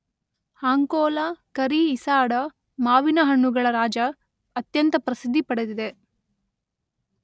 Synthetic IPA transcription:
haːŋkoːlakɐɾiːsaːɽɐ | maːʋinɐɦɐɳːuɡɐɭɐɾaːd͡ʒɐː | t̪jɐnt̪ɐpɾɐsid̪ʱːipɐɽed̪id̪e̞

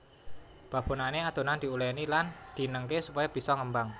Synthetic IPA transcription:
b̥a̤b̥o̤nanead̪̥o̤nand̪i̤ulɛniland̪̥i̤nəŋkesupajab̥i̤sɔŋəmbaŋ

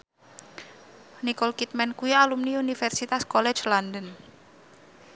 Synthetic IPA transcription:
nikɔlkit̪̚mɛnkujialumniunifɛrsit̪askɔlɛ̥d͡ʒlandən

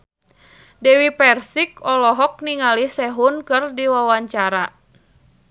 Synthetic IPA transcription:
dɛwipɛrsikɔlɔɦɔk̚niŋalisɛɦunkɨrdiwawaɲt͡ʃaɾa

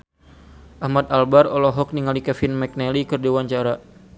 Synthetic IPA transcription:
ʔahmat̪albarɔlɔɦɔk̚niŋalikɛfɪnmɛk̚nɛlikɨrdiwaɲt͡ʃaɾa

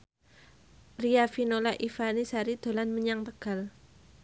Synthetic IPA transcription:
riafinolaʔifanisaɾid̪̥o̤lanməɲaŋt̪əɡ̥a̤l

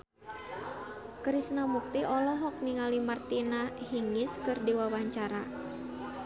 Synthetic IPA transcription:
kɾisnamuk̚t̪iʔɔlɔɦɔk̚niŋalimart̪inahiŋɪskɨrdiwawaɲt͡ʃaɾa

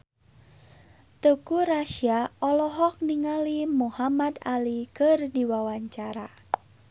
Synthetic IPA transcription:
t̪ukuɾaʃiaɔlɔɦɔk̚niŋalimuhamad̪alikərdiwawaɲt͡ʃaɾa

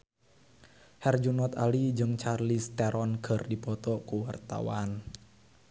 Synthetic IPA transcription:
hɛrd͡ʒunɔt̪a̰lid͡ʒɨŋt͡ʃarlist̪ɛɾɔnɡə̤rdipɔt̪ɔkuwart̪a̰wan

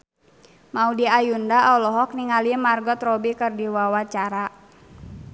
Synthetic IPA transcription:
maudiajundaʔaulɔɦɔk̚niŋalimarɡɔt̪rɔbikɨrdiwawat͡ʃaɾa

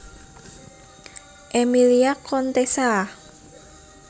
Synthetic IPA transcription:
ʔemiliakɔnt̪esa

